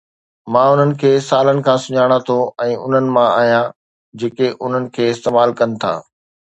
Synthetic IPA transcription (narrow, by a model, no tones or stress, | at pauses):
mãːʊn̤ənɪ̆kʰeːsaːlənɪ̆kʰãːsʊɲaːɽ̃at̪ʰoɛ̃ːʊ̰n̤ənɪ̆mãa̰ːɦijãː | d͡ʑeːkeʔʊn̤ənɪ̆kʰeːɪst̪eːmaːlkɐnɪ̆t̪ʰa̰ː